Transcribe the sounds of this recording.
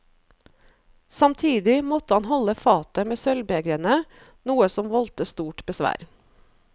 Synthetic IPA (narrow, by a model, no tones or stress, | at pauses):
sɑmt̪ʰiːd̪ɪmɔt̪əhɑnhɔləfɑːt̪əmeːsœlbeːɡɾənə | nuːəsɔmʋɔlt̪əst̪uːʈbəsʋæ̰ːɾ